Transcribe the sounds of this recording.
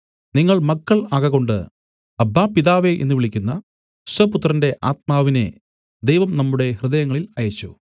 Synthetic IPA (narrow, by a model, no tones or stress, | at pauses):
niŋːɐɭmɐkːɐɭaːɣɐɣo̞ɳɖɨ̰ | ɐbːaːpiðaːʋeʔenːuʋiɭikʲːunːɐ̥ | sɐput̪ːrɐnde̞ʔaːt̪̚maːʋinḛ | d̪ejʋɐmnɐmːuɽe̞hrɨðɐjɐŋːɐɭilɐjɐt͡ɕːṵ